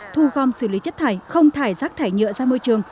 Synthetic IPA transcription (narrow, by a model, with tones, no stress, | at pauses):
t̪ʰu˧ɣɔ˧msɨ˧˩li˨˦t͡ɕə˦˥t̚t̪ʰaː˧˩jxə˧wŋ͡mt̪ʰaː˧˩jzaː˦˥k̚t̪ʰaː˧˩jɲɨ̰˧˨zaː˧moː˧jt͡ɕɨ˨˩əŋ